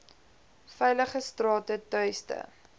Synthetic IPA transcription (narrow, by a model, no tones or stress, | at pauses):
fɛjləχəstrɑːtətœɥstə̰